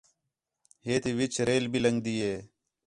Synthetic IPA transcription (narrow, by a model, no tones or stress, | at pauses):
ɦeːt̪iːʋɪt͡ʃɾeːlbiːləŋɡd̪iːɦeː